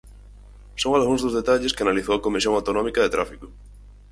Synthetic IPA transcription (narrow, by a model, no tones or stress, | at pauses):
soŋalɣũŋzðozðet̪aʎɪskeanaliθowakomis̬jõŋawt̪onɔmikaðet̪ɾafikʊ